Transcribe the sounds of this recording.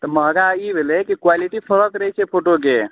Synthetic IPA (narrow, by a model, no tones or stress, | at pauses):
t̪ɔməɦɡaibʱelɛkikwaliʈipʰəɾəkɾəɦɛt͡ʃʰɛpʰoʈok̬e